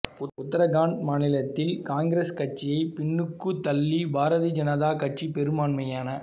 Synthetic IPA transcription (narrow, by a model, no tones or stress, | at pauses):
ʊʊt̪ːɐɾɐɣaːɳɖmaːnɪlɐt̪ːɪlkaːnɡɪɾeːskɐʈ̚t͡ʃɪjɐɪpɪɳːɯkːɯt̪ɐlːibʱaːɾɐðid͡ʒɐnɐðaːkɐʈ̚t͡ʃipɛɾɯmaːɳmɐjaːnɐ